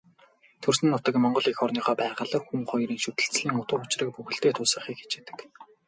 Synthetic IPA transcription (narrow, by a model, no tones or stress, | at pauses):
t̪ʰɵrsɘ̆nːʊt̪ə̆kmɔɴɢɞ̆ɮexɔrniːχœːpæːʁə̆ɮə̆xuŋχɔjɾiːŋʃɵt̪ɘ̆ɬt͡sɮiːŋʊt̪ʊːʊt͡ɕrə̆k̚puxɘ̆ɬt̪eːt̪ʰʊːsə̆χiːkxe̥t͡ɕeːt̪ɘ̥̆k